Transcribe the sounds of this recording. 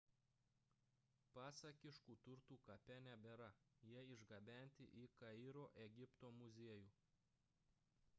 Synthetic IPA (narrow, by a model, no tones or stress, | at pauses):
pɑːsɐkʲɪʃkuːt̪ʊɾt̪uːkɐpʲɛnʲɛbʲɛɾɐ | jiɛɪʒɡɐbʲæˑnʲt̪ʲɪ̰ʔiˑkɐɪːɾoːʔɛɡʲɪpt̪oːmʊzʲiɛjuː